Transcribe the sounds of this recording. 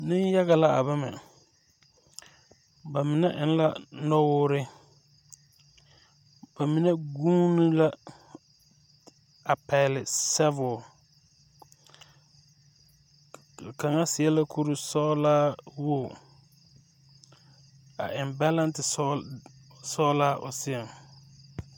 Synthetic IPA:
nɪ˦n˦ja˦ɣa˨la˦a̰˨βa˦mɛ̰˨ | ba˨mɪ˨nɛ˦ʔɪ˨n˦la˦nɔ˦wʊː˦ɾɪ˦ | b̥a˨mɪ˨nɛ˦ɡũː˦ni˦la˦ | a˨pɛ˨lɪ˨sɛ˦vʊ˨ | kʰã˨ŋa˦sɪ˨ɛ˦la˦kʰu˦ɾu˨sɔ˦laː˦wo˦˨ | a̰˨ʔɪ˨mba˦lã˦ntɪ˨˦ | sɔ˦laː˦ʔɔ˨sɪ˦ɛ˨m

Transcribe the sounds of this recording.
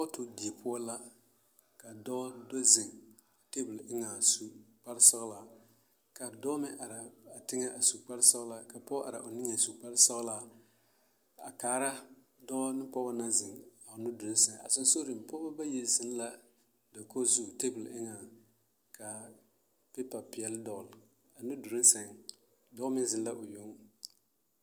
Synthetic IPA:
pɔ˦tʊ˨di˨e˨pʰʊ˦a˦la˦ | ka˨dɔ˦do˦zɪ˨ŋ˨ | te˦bʊ˨lʔɪ˦ŋa˨su˦k͡pa˦ɾsɔ˦ɣla˨ | ka˨dɔ˦mɪ˦ʔa˨ɾa˨a˨tɪ˦ŋɛ˦ʔa˨su˨k͡pa˦ɾsɔ˦ɣla˨ka˨pɔ˦ʔa̰˨ɾa̰˨ʔʊ˨nɪ˦ŋa˨su˨k͡pa˦ɾsɔ˦ɣla˨ | a̰˨kaː˨ɾa˦ | dɔ˦ɔ˦nɪ˦pɔ˦ba˦na˦zɪ˨ŋa˨ʊ˨nʊ˦dʊ˨ɾɪ˦nsɛ˨ŋ˨a̰˨sʊ˦n˦so˦ɾi˨m˨pɔ˦ba˦ba˦je˨zɪ˦n˦la˦ | da˨ko˦zu˦˨te˦bu˨lɪ˦ŋa˨ | ka˨ | pe˦pa˨pɪ˨ɛ˦ldɔ˨ɣl | a˨nu˦du˨ɾɪ˦nsɛ˨ŋ˨ | dɔ˦mɪ˦zɪ˨n˦la˦ʔʊ˨jo˦ŋ

